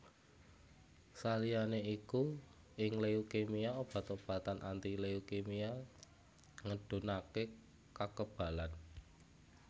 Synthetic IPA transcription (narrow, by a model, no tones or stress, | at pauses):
salijaneiku | ɪŋleukemiaob̥a̤t̪ob̥a̤t̪anʔant̪ileukemia | ŋəɖ̥ṳnake | kakəb̥a̤lan